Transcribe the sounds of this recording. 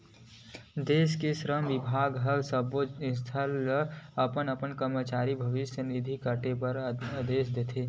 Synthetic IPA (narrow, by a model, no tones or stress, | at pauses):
d̪eːskeʃɾəmʋɪbʱaːɡɦəɡsəboɪ̃st̪ʰəlɐpənəpənkəɾmət͡ʃaːɾibʱɐʋɪʃjənid̪ʱikəʈepɐɾəd̪eːsd̪eːt̪ʰeː